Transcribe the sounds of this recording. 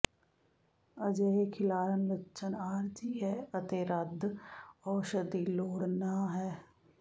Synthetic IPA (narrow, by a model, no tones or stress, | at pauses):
əd͡ʒeːɦekʰɪlaːɾənlətːʃʰənaːɾd͡ʒiːɦɛːət̪eːɾəd̪ʱɔːʃəd̪iːloːɽnaːɦɛː